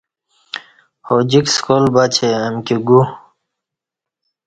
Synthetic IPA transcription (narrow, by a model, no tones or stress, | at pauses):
hod͡ʑikskolbat͡ɕʰeəmkiɡu